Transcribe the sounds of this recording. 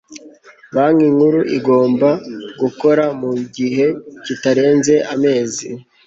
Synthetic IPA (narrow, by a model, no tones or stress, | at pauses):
βaŋiŋhuɾuʔiɡo̞ːmbaɡuko̞ɾamuɟiɦe̞citaɾe̞ːnze̞ʔame̞ːzi